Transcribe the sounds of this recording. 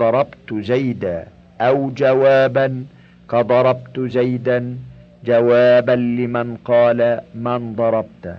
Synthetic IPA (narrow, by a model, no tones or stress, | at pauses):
ɑɾˤɑbt̪zajd̪aː | ʔawd͡ʒawaːban | kɑd̪ˤɑɾˤɑb̚t̪zajd̪an | d͡ʒawaːbanlɪmanqɑːlamand̪ˤɑɾˤɑb̚t̪